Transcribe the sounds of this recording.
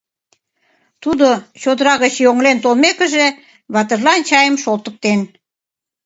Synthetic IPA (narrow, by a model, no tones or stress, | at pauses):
t̪ud̪ot͡ɕod̪əɾɑɣət͡ɕjoŋlent̪olmekə̆ʒe | βɑt̪ərlɑnt͡ɕɑjəmʃolt̪ə̆k̚t̪en